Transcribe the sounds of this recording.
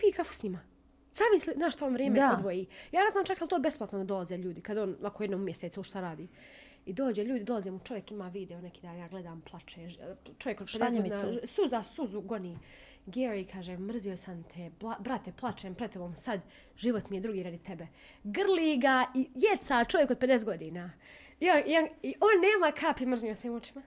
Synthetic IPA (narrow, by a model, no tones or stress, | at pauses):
piːkafu̥sɲima | saːmislinaːʃt̪aonʋɾjeːmeod̪ʋojiːjaːneznaːmt͡ʃakjlˠt̪oːbesplˠat̪nod̪ad̪o̞lˠazeːʎuːd̪ikad̪oːnʋakojed̪noːumjeset̪suʃt̪aɾaːd̪iː | id̪oːd͡ʑeʎuːd̪id̪olaziːmut͡ʃo̞ʋjekimaːʋiːd̪ɛonekiːd̪anjaːɡle̞d̪aːmplˠat͡ʃeːt͡ʃo̞ʋjekoed̪onasuzasuzuɡo̞niː | ɡeɾikʰaːʒeːmr̩zijo̞jsant̪ʰeblabɾat̪eplˠat͡ʃeːmpɾed̪t̪o̞boːmsad̪ | ʒiʋot̪mijed̪ɾuɡiːɾad̪it̪ebe | ɡrlˠiːɡaijet̪sat͡ʃo̞ʋjekod̪̚ped̪es̬t̪ɡo̞d̪iːnaː | ionioniʔoːnːeːmakʰaːpimr̩zʒnɲiosʋiːmot͡ʃi̥ma